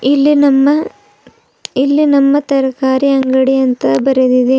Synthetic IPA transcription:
ilːinɐmːɐ | ilːinɐmːɐt̪ɐɾɐkaːɾiɐŋɡɐɽiɐnt̪ɐbɐɾed̪id̪e

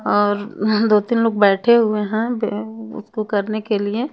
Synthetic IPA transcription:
ɔːɾd̪oːt̪ɪnloːɡ̚bɛːʈʰeɦʊeɦɛ̃bʊ̰skokɐɾnekelie

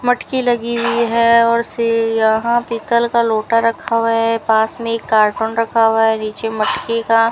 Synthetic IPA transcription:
mɐʈkilɐɡiɦʊiɦɛɔːɾsejɐɦãpiːt̪əlkaloːʈaɾɐkʰawaɦɛpaːsmẽeːkːaːɾʈʊnɾɐkʰawaɦɛniːt͡ʃemɐʈkeka

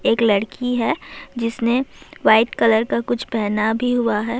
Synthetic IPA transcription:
eːklɐɽkʰiɦɛːd͡ʒɪsneʋaːɪʈkɐləɾkakʊt͡ʃʰpɛɦnabʱiɦuaɦɛː

